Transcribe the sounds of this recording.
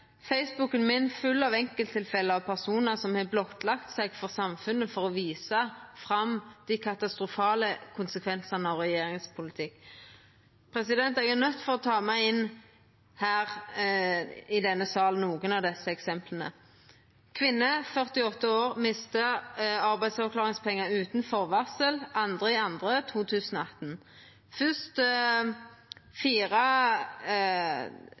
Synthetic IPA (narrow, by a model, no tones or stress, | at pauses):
fɛɪsbʊkənmɪnfʉlːɑʋɛŋkəlt̪ʰːɪlfɛlːəɑʋpʰæʁsuːnəʁsɔmhɑblɔt̪lɑkt̪sɛɡfɔʁsɑmfʉnːəfɔʁɔʋiːsəfʁɑmd̪̥ikʰɑt̪ɑst̪ʁʊfɑːləkʰʊnsəkʰʋɛnsənəɑʋʁɛjeːɾɪŋspʰʊlɪt̪ʰɪkː | pʰʁɛsɪd̪ɛnt̪ɛɡænœt̪ːfɔʁɔt̪ʰɑːmæɪɪn | hæːʁ | ɪd̪ɛnːəsɑːln̩uːɡənɑʋd̪ɛsːəɛksɛmplənə̰ | kʰʋɪnːəfœʁt̪ɪɔt̪ːəoːʁmɪst̪əɑʁbæɪsɑkʰlɑːʁɪŋspʰɛŋːəʉːt̪nfɔʁʋɑsəlɑnd̪ʁəɪɑnd̪ʁət̪ʰuːt̪ʰʉːsənɔɑt̪n̩ | fʏst̪ | fiːʁə